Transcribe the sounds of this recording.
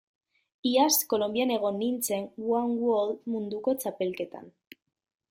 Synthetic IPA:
iasko̞lo̞mbiane̞ɣ̞o̞nːint͡se̞ŋɡwaŋɡwolmund̪uko̞t͡sape̞lke̞t̪a̰n

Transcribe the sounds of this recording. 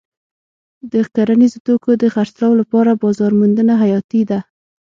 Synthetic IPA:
d̪əxkaɾanizot̪okod̪əxaɾt͡slɑwlapɑɾabɑzɑɾmand̪ənaɦajɑt̪id̪a

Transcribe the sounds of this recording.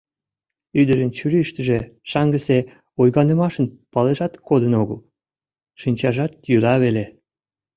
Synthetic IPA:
yd̪əɾənt͡ɕyɾiʃt̪əʒeʃɑŋɡəse | ojɣɑnə̆mɑʃənpɑleʒɑt̪kod̪ənoɣə̰l | ʃinʲt͡ɕɑʒɑt̪jyɾɑβele

